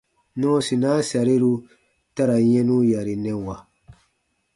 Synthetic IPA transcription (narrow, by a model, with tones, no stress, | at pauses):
nɔ̃ː˦si˨na˦sa˨ɾi˦ɾu˦ | ta˦ɾa˨ɲɛ̃˦nũ˦ja˨ɾi˨nɛ̃˦˨wa˨